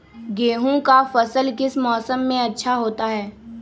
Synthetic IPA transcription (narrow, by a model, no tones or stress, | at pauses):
ɡeːɦũkafɐsəlkɪsmɔːsəmːẽɐtːʃʰaɦoːt̪aɦɛː